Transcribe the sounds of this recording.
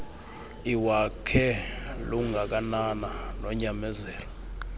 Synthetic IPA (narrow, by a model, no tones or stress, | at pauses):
iwakʰɛluŋak̬anananɔɲamɛzɛːlɔ